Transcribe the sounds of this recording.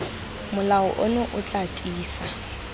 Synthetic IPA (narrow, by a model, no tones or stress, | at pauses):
mʊlaʊʔʊnʊʔʊt͡ɬʼatʼiːsa